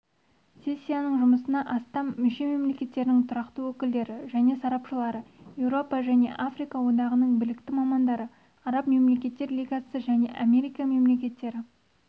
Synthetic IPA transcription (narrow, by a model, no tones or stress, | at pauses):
sʲe̞sʲːijanəɴʒʊməsənɑʔɑst̪ɑmːʏʃe̞me̞mle̞kʲe̞t̪ːe̞ɾɪnɪŋt̪ʰʊɾɑqt̪əwɵkʲɪld̪e̞ɾɪʒæne̞sɑɾɑpʃəlˠɑɾəje̞wɾo̞pɑʒæne̞̰ʔafrijkɑwo̞d̪ɑʁənəɴbɪlɪkt̪ɪmɑmɑnd̪ɑɾə | ɑɾɑpme̞mle̞kʲe̞t̪ːe̞ɾlʲijɡasəʒæne̞̰ʔamʲe̞ɾijkɑme̞mle̞kʲe̞t̪ːe̞ɾɪ